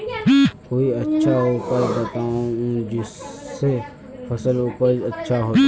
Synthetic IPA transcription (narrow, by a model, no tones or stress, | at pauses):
koːiɐtːʃʰauːpəɾd̪ət̪aũd͡ʒɪsːe | fʰɐsəluːpəɾɐtːʃʰaɦoː